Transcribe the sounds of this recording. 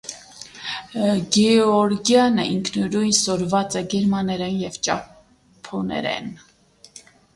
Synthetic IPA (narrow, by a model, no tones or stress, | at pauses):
ɡɛɔɾɡjɑnə̰ʔiŋkʰnəɾujnsɔɾvɑt͡sɛɡɛɾmɑnɛɾɛnjɛvt͡ʃɑ | pʰɔnɛ̰ɾɛ̰n